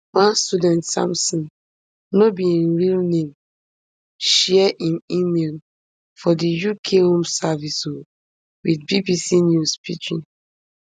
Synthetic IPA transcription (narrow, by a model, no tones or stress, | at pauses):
wãnstudɛ̃ntsã̰msɔ̃n | nobiĩnɹilnẽm | ʃɛɛʔĩnimel | fɔdijukʰehõmsaviso | widbibisinjuspḭt͡ʃḭ̃n